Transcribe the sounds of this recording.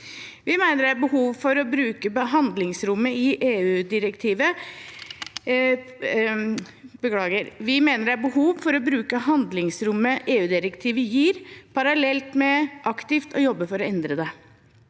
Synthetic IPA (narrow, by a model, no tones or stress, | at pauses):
ʋɪmæɪnəɖæɾbəhuːʋfɔɾɔbɾʉːkəbəɦɑnd̪lɪŋsɾʊmːəɪʔeːʉːd̪ɪɾəkt̪ʰiːʋə | bəkʰlɑːɡəɾʋɪmeːnəɖ̪æɾbəhuːʋfɔɾɔbɾʉːkəɦɑnd̪lɪŋsɾʊmːəʔeːʉːd̪ɪɾəkt̪ʰiːʋəjiːɾpʰɑɾɑlɛlt̪mɛʔɑkt̪ɪft̪ʰɔjɔbːəfɔɾɔɛnd̪ɾəd̪ɛ